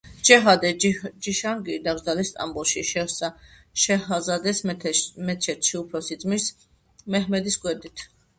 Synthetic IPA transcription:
t͡ʃɛɦad̪ɛd͡ʒiʃanɡid̪aɡɾd̪alist̪ʼa̰mbɔlˠʃiʃɛsa | ʃɛhazad̪ɛsmɛt̪ʰʃɛt̪ʰʃiupʰɾɔsid̪zʼmis | mɛɦmɛd̪isɡʼwɛd̪it̪ʰ

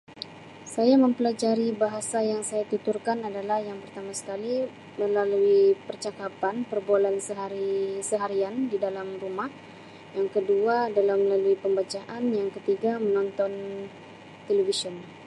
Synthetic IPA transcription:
sajaməmpəlad͡ʒaɾibaɦasajaŋsajat̪it̪urkanadalahjaŋpərt̪amasə̥kali | məlaluipərt͡ʃakapanpərbualansəɦaɾisəɦaɾiandidalamrumah | jaŋkəduadalamːəlaluipəmbat͡ʃaʔanjaŋkət̪iɡamənɔnt̪ɔn | t̪elevisɔn

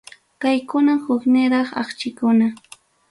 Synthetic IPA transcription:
kajkʊnahʊknɪɾɑχɑ̰χt͡ʃɪkʊna

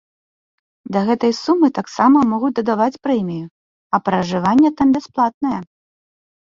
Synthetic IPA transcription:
d̪ɐɣɛt̪ɐjsumːɨt̪aksamɐmɔɣut͡sʲd̪ɐd̪avat͡sʲpɾɛmʲiju | ɐpɾɐʐɨvanʲːɛt̪ambʲɛsplˠat̪̚nɐjɐ

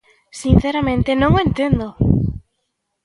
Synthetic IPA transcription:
sin̟θeɾamẽnt̪enõŋoẽnt̪end̪o

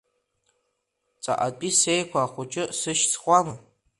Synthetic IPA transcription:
t͡sʼa̰ʔapʼisejkʷʰaːχʷʊt͡ʃʼɪsɨʃt͡sʰχʷala

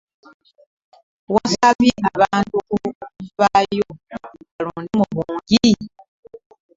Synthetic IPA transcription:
wɔ̃sabiʔaβantukuvajoaɾũnĩmobũɡi

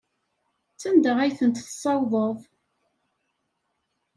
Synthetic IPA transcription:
t͡sːænd̪əʁæjθənt̪θsˤːɑwðˤəðˤ

